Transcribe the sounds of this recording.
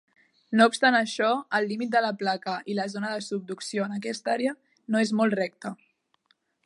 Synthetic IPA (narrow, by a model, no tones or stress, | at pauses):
noupst̪anəʃɔəlːimit̪̚d̪ələplakəʔiləzonəðəsub̚d̪uksioənək̬ɛst̪aɾeə | noezmɔlˠtrɛk̚t̪ə